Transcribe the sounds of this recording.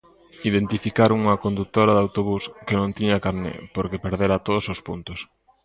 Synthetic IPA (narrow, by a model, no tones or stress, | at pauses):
iðent̪ifikaɾuŋɐkond̪ut̪oɾɐðawt̪oβuskenõŋt̪iɲɐkaɾnɪ̰poɾkepeɾðeɾat̪oð̞osospunt̪ʊs